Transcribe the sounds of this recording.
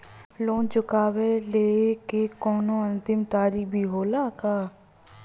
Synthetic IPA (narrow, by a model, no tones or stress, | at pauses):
loːnt͡ʃʊkaːweleːkekɔːnõə̃nt̪ɪmt̪aːɾik̚bʱiːɦoːlaːkaː